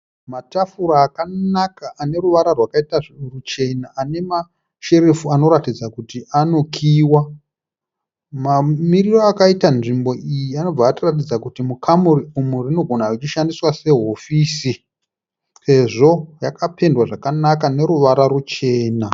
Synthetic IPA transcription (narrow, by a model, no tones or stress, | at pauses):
matafuɾaːkanakaːne̞ɾuʋaɾarwakaitarut͡ʃe̞naane̞ma | ʃe̞ɾefuano̞ɾatid͡zakutiano̞kʰiːwa | mamiriroakaitanʐimbo̞ʔijiano̞b͡vaːtiratid͡zakutimukʰamuriumurino̞ɡʱo̞narut͡ʃiʃandiswase̞ɦo̞fiːsi | se̞ʐo̞jakape̞ndwaʐakanakane̞ɾuʋaɾaɾut͡ʃe̞ːna